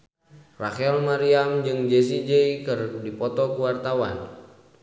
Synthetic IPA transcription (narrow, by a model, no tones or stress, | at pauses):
rakɛlmaɾiamd͡ʒɨŋd͡ʒɛs̬id͡ʒɛikɨrdipɔt̪ɔkuwart̪awan